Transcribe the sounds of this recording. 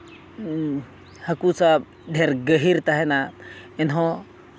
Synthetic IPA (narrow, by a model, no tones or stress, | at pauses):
hɐkusa | ɖʱeɾɡəɦiɾt̪aɦɛnaɪnɦɔ̃